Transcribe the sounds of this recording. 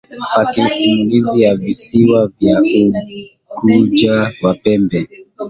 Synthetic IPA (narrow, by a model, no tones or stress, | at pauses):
pasɛsimulizijavisiwavjau | kud͡ʒawapɛmbɛ